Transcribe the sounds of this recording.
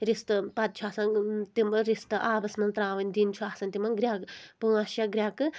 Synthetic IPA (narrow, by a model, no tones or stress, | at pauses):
ɾist̪ɨpɐt̪̚t͡ʃʰuaːsãnt̪imɾist̪ɨʔaːbɐsmɐnt̪ɾaːʋɐnʲd̪iːnt͡ʃʰuaːsɐːnt̪imɐnɡɾʲjaːkpuːaʃjaɡɾʲaːkɨ